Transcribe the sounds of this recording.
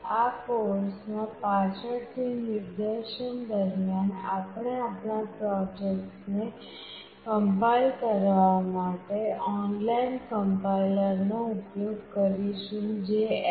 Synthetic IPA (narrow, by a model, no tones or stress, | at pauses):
akoɾsmãpat͡ʃʰəɽt̪ʰinɪɾd̪eʃənd̪əɾmjana̰pɳ̃eapɳapɾɔd͡ʒekʈne | kəmpalkəɾʋamaʈeɔnlainkəmpaləɾnoʊpjoɡkəɾiʃũd͡ʒe